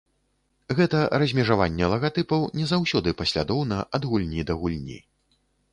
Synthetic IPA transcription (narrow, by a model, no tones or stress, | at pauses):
ɣɛt̪ɐɾɐzʲmʲɛʐavanʲːɛlˠɐɣat̪ɨpɐwnʲɛzawsʲɔd̪ɨpɐsʲlʲa̰d̪ɔwnɐʔɐd̪ɣulʲnʲid̪ɐɣulʲnʲḭ